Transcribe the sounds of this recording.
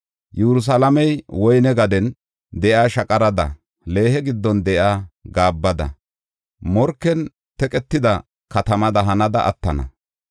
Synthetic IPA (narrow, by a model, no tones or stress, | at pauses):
jɛɾʊs̬ɐlɐmɛjwɔjnɛɡɐd̪ɛn | d̪ɛʔaːʃɐkʼɐɾɐd̪ɐ̰ | le̞ːhɛɡɪd̪ːɔnd̪ɛʔaːɡaːbːɐd̪ɐ̰ | mɔɾkːɛn | t̪ɛkʼɛt̪ːɪd̪ɐ | kɐt̪ɐmɐd̪ɐɦɐnɐd̪ɐʔɐ̰t̪ːɐnɐ̰